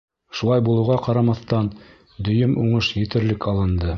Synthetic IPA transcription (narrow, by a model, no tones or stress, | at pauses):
ʃulˠɑjbulˠɤ̆wʁɑqɑɾɑmɑθt̪ɑn | d̪ɵ̆jɵmʔuɴɤʃjɘ̆t̪ɘ̆ɾlɘkɑlˠɤ̆nd̪ɤ